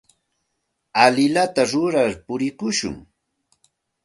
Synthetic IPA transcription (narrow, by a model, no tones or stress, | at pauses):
alɪlat̪aɾʊɾaɾpʊɾɪkʊʃʊ̰ŋ